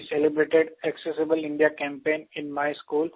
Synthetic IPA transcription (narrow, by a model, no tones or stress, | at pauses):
selɪbɾeːʈeɖɛksesɪbəlɪ̃ɳɖijakɛ̃ːmpẽːnɪ̃nmaɪskuːl